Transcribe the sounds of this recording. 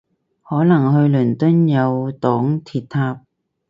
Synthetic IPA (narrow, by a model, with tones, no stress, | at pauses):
hɔː˨˥nɐ˨˩ŋɦɵ˧ɥlɵ˨˩nt̪ɵ˥njɐ˨˧wt̪ɔː˨˥ŋt̪ʰiː˧t̚t̪ʰːaː˧p̚